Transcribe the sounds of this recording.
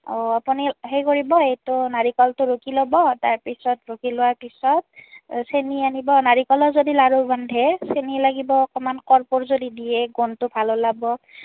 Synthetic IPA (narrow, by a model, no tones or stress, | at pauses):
ɔapuniɦejkoɹibɔejtʊnaɹikɔltʊɹokilobɔtaɹpisɔtɹokilʊwaɹpisɔt̚senianibɔnaɹikɔlɔzodilaɹobandʱɛsenilaɡibɔːkɔmankɔɹpʊɹzodidijɛɡontʊbʱalɔlabɔ